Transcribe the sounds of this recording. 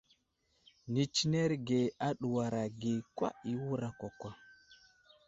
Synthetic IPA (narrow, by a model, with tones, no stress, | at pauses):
ni˨t͡ʃi˦ne˦ɾɡe˨a˦ɗu˨wa˨ɾa˨ɡe˨kʷwa̰˦i˨wu˦ɾa˨kʷa˨kʷa˦